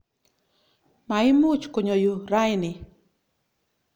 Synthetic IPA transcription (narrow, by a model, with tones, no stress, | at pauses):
ma˨ɪ˦mu˦t͡ʃko˨ɲo˨ju˨ɾa˦jnɪ˨